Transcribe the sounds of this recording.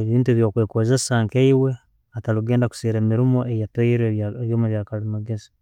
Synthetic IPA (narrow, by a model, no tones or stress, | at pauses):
eβiːntueβjo̞ːkweːkozesaːŋkeiwe̞ | ataluɡe̞ːndaku̥siːɾemiɾimo̞ejatojiɾeeβjoːmaβjakalimaɡezi̥